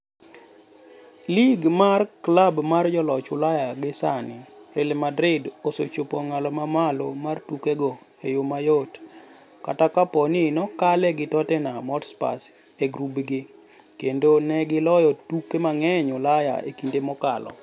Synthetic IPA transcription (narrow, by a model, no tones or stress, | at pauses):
liɡmarklabmard͡ʒɔlɔt͡ʃʊlajaɡɪsanɪɾɪlmadɾɪdosot͡ʃopoŋalɔmamalomartukeɡo | ejomajot | katakapɔnɪnɔkalɛɡɪtɔtɛnamɔtspa̰s | eɡɾubɡɪ | kendonɛɡɪlɔjɔtukemaŋɛɲʊlaja̰ḛkindemɔka̰lɔ̰